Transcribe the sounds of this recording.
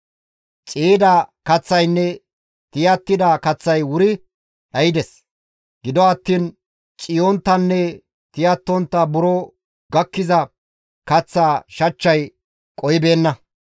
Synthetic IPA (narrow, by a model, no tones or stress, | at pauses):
t͡ʃʼiːd̪ɐkɐt͡sːɐjnːɛ | t̪ɪjɐt̪ːɪd̪ɐkɐt͡sːɐjwʊɾɪ | ɗɐjɪd̪ɛs | ɡ̥ɪd̪ɔɐt̪ːiːn | t͡ʃʼɪjont̪ːɐnːɛ | t̪ɪjɐt̪ːɔnt̪ːɐbʊɾoː | ɡɐkːɪzɐ | kɐt͡sːaːʃɐt͡ʃːɐj | kʼɔjbe̞ːnːɐ